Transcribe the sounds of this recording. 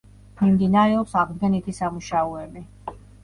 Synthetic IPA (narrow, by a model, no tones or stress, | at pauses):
mimd̪inaɾɛɔpsaʁmɡɛnit̪ʰisamuʃaɔɛbi